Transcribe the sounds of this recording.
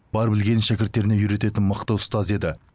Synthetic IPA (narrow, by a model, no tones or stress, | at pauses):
b̥ɑɾbɪlɡʲe̞nɪʃækʲɪɾt̪ːe̞ɾɪnejʏɾe̞t̪e̞t̪ɪnmɑqt̪ɑwʊst̪ɑze̞d̪ɪ